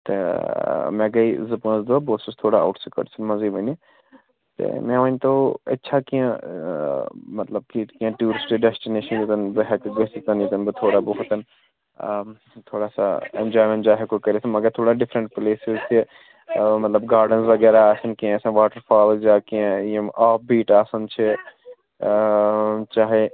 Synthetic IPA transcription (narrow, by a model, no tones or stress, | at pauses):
t̪ḛ | mɛ̃ːɡɐizɐpə̃nzd̪oaboːsɪst̪ʰoːɽaa̰ʊʈsəkə̰ʈsənmɐziːməni | t̪ḛmɛ̃ːʋə̃nt̪oːətːʃʰaːkijã | mət̪ləb̚kikiãːʈjuːɾɪsʈikɖɛsʈɪneːʃənjɪt̪ənbəɦɛkɡesɪt̪ənjɪt̪ənbət̪ʰoːɽaːboɦʊt̪ən | t̪ʰoːɽaːsa̰ẽnd͡ʒaːjmə̃ɳʈd͡ʒaːɦekokɐɾisɐnmɐɡəɾt̪ʰoːɽaɖɪfʰɾə̃ɳʈpleːsɪzt͡ʃʰi | mɐt̪ləbɡaːɾɖənsʋɐɡɛːɾaaːsɐnkiãsãʋaːʈəɾfʰaːlzd͡ʒaːkiãjẽaːp̚biːʈaːsɐnt͡ʃʰi | t͡ʃaːɦe